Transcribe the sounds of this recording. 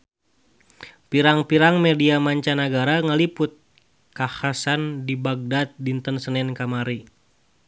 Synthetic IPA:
piɾaŋpiɾaŋmediamaɲt͡ʃanaɡaɾaŋalipʊt̪̚ | kahasandibaɡ̚dat̪̚dint̪ənsənɛnkamaɾi

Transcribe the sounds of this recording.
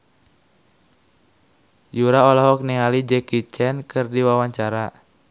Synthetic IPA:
juɾaɔlaɦɔk̚niŋalid͡ʒɛkit͡ʃɛnkʰɨrdiwawaɲt͡ʃaɾa

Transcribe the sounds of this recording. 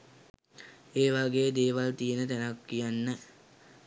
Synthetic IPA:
eːʋaɡejːd̪eːʋalt̪ijenət̪ænakːijanːə

